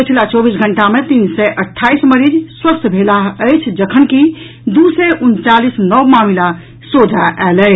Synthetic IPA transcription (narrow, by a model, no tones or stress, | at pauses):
pət͡ʃʰilat͡ʃɔbisɡʱəɳʈamet̪insɛʔəʈʰːaisməɾid͡ʒswəst̪ʰbʱelaəjt͡ʃʰd͡ʒəkʰənki | d̪usɛʔunt͡ʃalisnɔʋmamila | sod̪ʱaʔɛlɛ